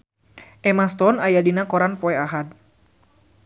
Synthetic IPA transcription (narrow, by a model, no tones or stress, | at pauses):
ʔɛmast̪ɔnajadinakɔɾanpɔɛaɦad̚